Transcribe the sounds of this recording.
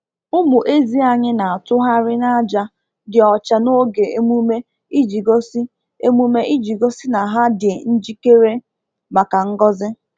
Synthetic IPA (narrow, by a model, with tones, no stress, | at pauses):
ʊ˦mu˨ʔe˦zi˦a˨ɲɪ˦na˨a˨tʊ˦ɦa˦ɾɪ˦na˦d͡ʒa˦ | dɪ˨ɔ˨t͡ʃa˨no˦ɡe˨e˦mu˦me˦ | i˦d͡ʒi˨ɡo˦si˦ | e˦mu˦me˦ʔi˦d͡ʒi˨ɡo˦si˦na˨ɦa˦dɪ˨n̩˦d͡ʒi˦ke˦ɾe˦ | ma˨ka˨ŋ̩˦ɡɔ˦zɪ˦